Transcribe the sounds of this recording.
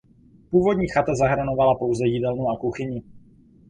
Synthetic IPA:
puːvo̞dɲiːxat̪azaɦɾnovalapo̞wzɛjidɛlnuakuxɪɲɪ

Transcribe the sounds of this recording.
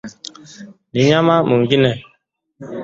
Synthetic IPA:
niɲamamuŋ̩ɡinɛ

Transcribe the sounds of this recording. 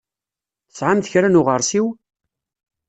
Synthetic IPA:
sʕamθəçɾænʊʁəɾˤsiw

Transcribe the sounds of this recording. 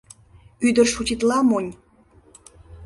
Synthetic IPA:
yd̪ə̆rʃutʲit̪lɑmonʲ

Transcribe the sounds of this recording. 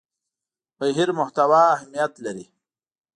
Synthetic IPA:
bajɦiɾmʊht̪awaːhmijat̪laɾi

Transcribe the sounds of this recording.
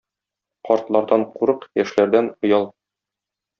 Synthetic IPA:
qɒɾt̪lˠɑɾd̪ɑɴquɾɤqjæʃlæɾd̪ænŏjɑlˠ

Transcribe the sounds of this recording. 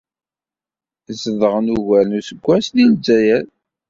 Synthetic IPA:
zəðəʁənuʝæɾnusəɡʷːæslilzːæjæɾ

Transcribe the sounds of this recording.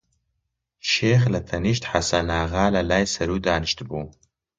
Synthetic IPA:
ʃeːxlɐt̪ʰɐniʃt̪ħasanaːɣaːlɐlaːjsɐɾuːd̪aːnɨʃt̪buː

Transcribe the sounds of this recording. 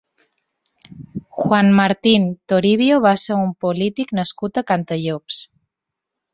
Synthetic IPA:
xwanmaɾt̪int̪oɾiβjoβaseɾumpolit̪iknaskut̪akant̪əʎops

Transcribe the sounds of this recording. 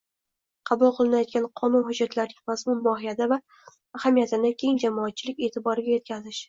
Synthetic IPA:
qʰɑbʊlˠqʰɨlˠɪnajɒt̪̚ɡʲanqʰɒnʊnɦʊd͡ʒːat̪laɾnɪmazmʊnmɒɦɪjad̪avaː | hamijat̪ʰɪnɪkʲʰe̞ŋd͡ʒamɒːt̪̚t͡ʃʰɪlɪkʲe̞ːt̪ʰɪbɒɾɪɡʲaje̞t̪kʲʰazɪʃ

